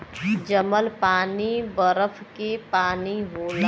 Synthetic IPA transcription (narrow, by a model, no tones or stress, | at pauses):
d͡ʒəməlpaːnibəɾəfʰkepaːniɦoːla